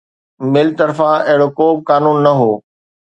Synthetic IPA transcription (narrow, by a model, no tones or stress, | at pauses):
mɪlt̪ɐɾfãɐɦɪɽokoːb̚kaːnuːnːɐɦoː